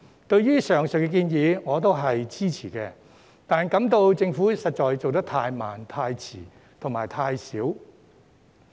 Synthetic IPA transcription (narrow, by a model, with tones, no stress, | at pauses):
t̪ɵ˧ɥɥyː˥sœː˨˩ŋsɵ˨˩kːɛ˧kiː˧njiː˨˧ŋɔː˨˧t̪o˥wɦɐ˨jt͡siː˥t͡sʰiː˨˩kɛː˧ | t̪aː˨˩nkɐ˨˥mt̪o˧wt͡sɪ˧ŋfuː˨˥sɐ˨t̚t͡ʃɔː˨jt͡so˨wt̪̬ɐ˥k̚t̪ʰaː˧jma̰ː˨˩nt̪ʰaː˧jt͡sʰiː˨˩ | t̪ʰʊ˨˩ŋmaː˨˩jt̪ʰaː˧jsiː˨˥w